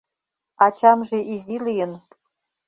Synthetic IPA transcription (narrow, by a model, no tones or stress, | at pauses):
ɑt͡ɕɑmʒeʔizilijə̆n